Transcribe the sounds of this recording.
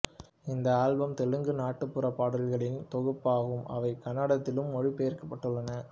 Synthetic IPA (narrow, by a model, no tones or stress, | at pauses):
ɪnd̪ɐaːlbɐmt̪ɛɻɯŋɡɯnaːʈːɯpːɯɾɐpːaːɽɐlɣɐɭɪnt̪ɔɣɯpːaːɣɯmʔɐ̰ʋɐɪkɐnːɐɽɐt̪ːɪlɯmːɔɻipɛjɐɾkɐpːɐʈːɯɭːɐnɐ